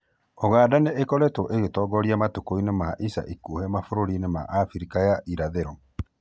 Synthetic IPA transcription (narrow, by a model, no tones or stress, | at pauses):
oɣaːdaneʔːkɔɾɛtɔʔeɣetɔːɡɔɾiamatokoinemaʔisa̰ʔikuːhɛmafoɾoɾinema̰ʔafiɾikajaʔiɾaðeɾɔ